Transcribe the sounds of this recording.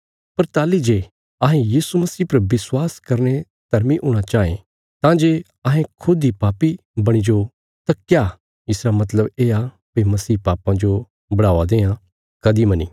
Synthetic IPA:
pɐɾt̪aːlid͡ʒeː | ɐɦẽjiːsumɐsiːpɐɾbɪswaːskɐɾne | t̪ɐɾmiʔʊːɽ̃at͡ʃaːḛ̃ | t̪ãːd͡ʒe | ɐɦẽkʰʊd̪ipaːpi | bɐɽ̃id͡ʒo | t̪ãkjaː | ɪsɾamɐt̪̬ləbeːa | pimɐsiːpaːpãd͡ʒo | bɐɽaːad̪ẽːã | kɐd̪imɐnḭː

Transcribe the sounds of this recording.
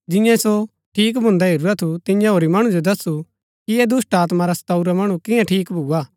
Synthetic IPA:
d͡ʒɪ̃jãso | ʈʰiːk̬bʱʊ̃nd̪aɦɪɾuɾat̪ʰut̪ɪ̃jãɦoːɾimɐɽ̃ũd͡ʒod̪ɐsu | kiɛd̪ʊsʈaːt̪maɾasɐ̥t̪aːuɾamɐɽ̃ũkɪ̃jãʈʰiːkbʱuːaː

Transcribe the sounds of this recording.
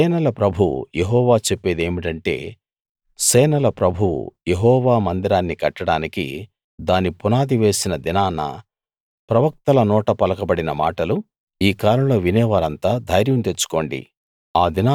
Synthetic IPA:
ɛːnɐlɐpɾɐbʱṵjeɦɔːʋaːt͡ʃepːeːd̪e̞ːmiʈɐɳʈe̞̰ː | sɛːnɐlɐpɾɐbʱṵjeɦɔːʋaːmɐnd̪iɾaːnːikɐʈːɐɽaːnikḭ | d̪aːnipunaːd̪iʋe̞ːsinɐd̪inaːnːɐ̰ | pɾɐʋɐk̚t̪ɐlɐnɔːʈɐpɐlɐkɐbɐɽinɐma̰ːʈɐlu | iːkaːɾɐmlo̞ːʋinɛːʋaːɾɐnt̪aːd̪ʱɐjɾjɐmt̪e̞t͡ʃːu̥ko̞ːɳɖḭ | aːd̪inaː

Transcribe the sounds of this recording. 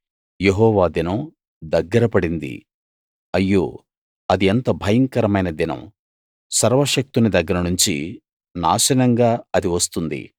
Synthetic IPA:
jeɦɔːʋaːd̪inɐm | d̪ɐɡːɐɾɐpɐɽind̪ḭ | ɐjːoː | ɐd̪ient̪ɐbʱɐjɐŋkɐɾɐmɐjnɐd̪inɐ̰m | sɐɾʋɐʃɐk̚t̪unid̪ɐɡːɐɾɐnuɲt͡ʃḭ | na̰ːʃɐnɐŋɡaːɐd̪iʋɐst̪und̪ḭ

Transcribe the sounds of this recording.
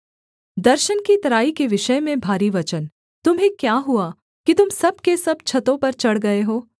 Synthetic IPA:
d̪ɐɾʃənkit̪ɐɾaːikeʋɪʃəmẽbʱaːɾiʋɐt͡ʃən | t̪ʊmɦẽkjaːɦʊa | kit̪ʊmsɐb̚kesɐb̚t͡ʃʰɐt̪õpɐɾt͡ʃɐɽɡɐeɦoː

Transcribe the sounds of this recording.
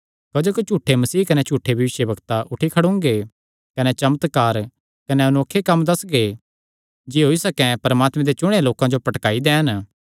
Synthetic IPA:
kɐd͡ʒoːkit͡ʃuːʈʰːemɐsiːkɐnet͡ʃuːʈʰːebʱɐʋɪʃjəbɐɡt̪aʔʊʈʰikʰɐɽʊ̃ŋɡe | kɐnet͡ʃɐmət̪kaːɾ | kɐneʊnoːkʰːekɐmːd̪ɐsɡe | d͡ʒiɦoːisɐkɛ̃pɐɾəmaːt̪mɛ̃d̪et͡ʃʊɽ̃eloːkãd͡ʒopɐʈkaːid̪ɛ̃ːɦən

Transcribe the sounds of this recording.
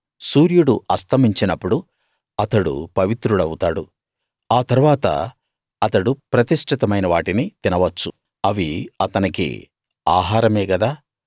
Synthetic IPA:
suːɾjuɽuɐst̪ʰɐmiɲt͡ʃinɐpːuɽu | ɐt̪ɐɽṵpɐʋit̪ɾuɽɐwut̪aːɽu | aːt̪ɐɾuʋaːt̪ɐ̰ | ɐt̪ɐɽupɾɐt̪iʂʈʰit̪ɐmɐjnɐʋaːʈinit̪inɐʋɐt͡ʃːu | ɐʋiɐt̪ɐnikḭ | aːɦaːɾɐmeːɡɐd̪aː

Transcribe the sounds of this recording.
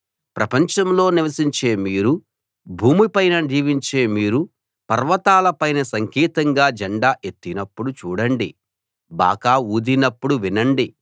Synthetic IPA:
pɾɐpɐɲt͡ʃɐmlo̞ːniʋɐsiɲt͡ʃe̞ːmiːɾu | bʱuːmipɐjnɐd͡ʒiːʋiɲt͡ʃe̞ːmiːɾu | pɐɾʋɐt̪aːlɐpɐjnɐsɐŋkiːt̪ɐŋɡaːd͡ʒɐɳɖaːʔe̞t̪ːinɐpːuɽut͡ʃuːɽɐɳɖi | ba̰ːkaːuːd̪inɐpːuɽuʋinɐɳɖi

